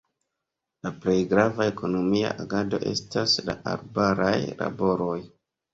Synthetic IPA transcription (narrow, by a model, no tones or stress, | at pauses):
laple̞jɡɾavae̞ko̞no̞mia̰ʔaɡado̞̰ʔe̞staslaʔaɾbaɾajla̰bo̞ɾoj